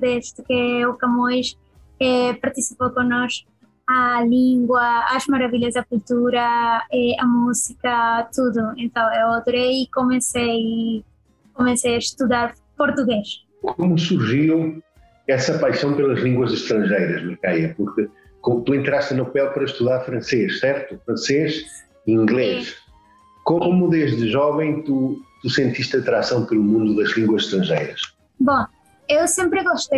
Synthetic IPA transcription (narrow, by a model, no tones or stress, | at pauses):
d̪eʃt̪ʊkeukamojʃ | ɛpaɾt̪isipowkõnɔʃ | alĩŋɡwɐɐzmaɾɐviʎɐzɐkult̪uɾɐɛɐmusikɐt̪uðʊẽnt̪ɐ̃w̃ewod̪oɾejikomẽsej | komẽsejɐʃt̪uðaɾ | poɾt̪uɣeʃ | kʰomusuɾʒiw | ɛsɐpajsɐ̃w̃pelˠɐʒlˠĩŋɡwɐzɨʃt̪ɾɐ̃ʒejɾɐʒmɐɾkajɐpuɾkɨ | komt̪uẽnt̪ɾaʃt̪ɨnɐpɛlˠpɐɾɐʃt̪uðaɾfɾɐ̃seʃsɛɾt̪ufɾɐ̃seʃ | ĩŋɡlˠeʃ | koomuðeʒðɨʒɔvɐ̃j̃t̪ut̪usẽnt̪iʃt̪ɐt̪ɾasɐ̃w̃pɐlˠumũnd̪uðɐʒlˠĩŋɡwɐzʃt̪ɾɐ̃ʒejɾɐʃ | bõ | ewsẽmpɾɨɣɔʃt̪e